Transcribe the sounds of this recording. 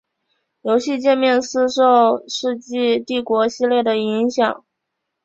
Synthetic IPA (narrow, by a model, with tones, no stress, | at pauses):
jo˧˥ʊɕi˥˧t͡ɕjɛ˥˧nmjɛ˥˧nsɹ̩˥ʂo˥˧ʊʂɻ̩˥˧t͡ɕi˥˧t̪i˥˩kwɔ˧˥ɕi˥˧ljɛ˥˩d̪ə˩i˧˥ŋɕjɑ˨˩˦ŋ